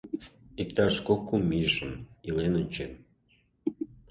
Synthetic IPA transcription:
ik̚t̪ɑʃkokːumiʒə̆nilenonʲt͡ɕen

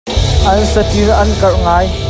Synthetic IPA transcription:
ʔɐnsɐtiɾʔɐnkɐrŋaːj

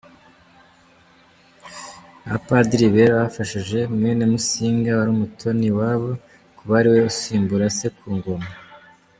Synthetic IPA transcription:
apadiɾiβeɾβafaʃiʒe̞mŋenemusiːŋɡawaɾumutʰo̞niwaβo̞ | kuβaɾiwe̞usiːmbuɾase̞kuːŋɡo̞ma

